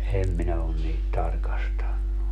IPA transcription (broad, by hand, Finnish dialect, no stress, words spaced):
em minæ on niːt tɑrkɑstɑnːu